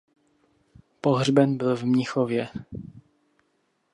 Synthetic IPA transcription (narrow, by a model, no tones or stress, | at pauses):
poɦrbɛnbɪlvmɲɪxovjɛ